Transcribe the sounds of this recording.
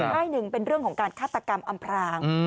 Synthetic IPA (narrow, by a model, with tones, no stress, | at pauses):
t̪ʰaː˥˩jnɯ˨˩ŋpe˧nɾɯ˥˩əŋkʰɔː˩˦ŋkaː˧nkʰaː˥˩t̪ːa˧ka˧mʔa˧mpʰɾaː˧ŋ